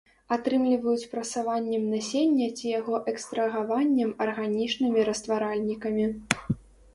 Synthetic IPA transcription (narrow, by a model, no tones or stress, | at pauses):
at̪ɾɨmlʲivɐjut͡sʲpɾɐsavanʲːɛmnɐsʲenʲːɐt͡sʲijaɣɔʔɛkst̪ɾɐɣavanʲːɛmɐrɣanʲit͡ʂnɨmʲiɾɐst̪vaɾalʲnʲikɐmʲi